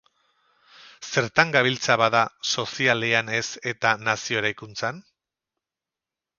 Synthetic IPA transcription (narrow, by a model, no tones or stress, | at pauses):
se̞ɾt̪aŋɡaβ̞ilt͡saβaðaso̞sialeane̞se̞t̪anasio̞eɾajkunt͡san